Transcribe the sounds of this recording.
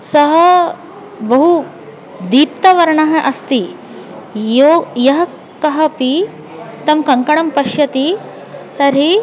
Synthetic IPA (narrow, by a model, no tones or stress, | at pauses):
sɐɦɐ | bɐɦu | d̪iːp̚t̪ɐʋɐɾɳaɦɐʔɐst̪i | jojɐɦɐ | kɐɦɐpi | t̪ɐmkɐŋkɐɳɐmpɐʃjɐt̪i | t̪ɐɾɦi